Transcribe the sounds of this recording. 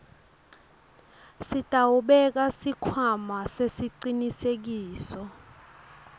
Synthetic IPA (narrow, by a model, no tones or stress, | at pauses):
sid̥ʱawuɓɛk̬asikʰwamasesiǀinisek̬iːsɔ